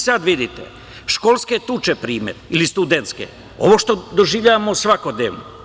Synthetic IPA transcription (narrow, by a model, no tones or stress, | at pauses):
sad̪ʋid̪it̪ḛ | ʃkolsket̪ut͡ʃepɾiːmḛdilist̪ud̪ent̪skḛ | o̞̰ʋoʃt̪o̞d̪oʒiːʋʎaʋamosʋako̞d̪neːʋno